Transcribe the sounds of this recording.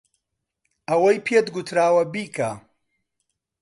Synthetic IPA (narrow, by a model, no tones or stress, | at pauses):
ɐwɐjpʰet̪ɡut̪ʰɾaːwɐbiːkʰa